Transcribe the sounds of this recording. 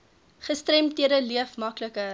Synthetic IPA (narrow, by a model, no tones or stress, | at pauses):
χəstrɛmtiəɾəliəfmɐkləkə